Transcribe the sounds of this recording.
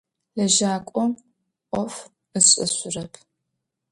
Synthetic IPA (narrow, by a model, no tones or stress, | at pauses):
lɐʒaːkʷʼɔm | ʔʷʼɔf | ɨɕʼɨ̰ɕʷʊrɐpʰ